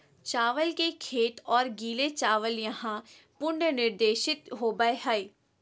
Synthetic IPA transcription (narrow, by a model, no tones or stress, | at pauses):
t͡ʃaːʋəlkekʰeːʈ̪ɔːɾɡiːlet͡ʃaːʋəljɐɦã | pʊɳɖənɪɾd̪eːʃɪt̪ɦoːbaeɦəeː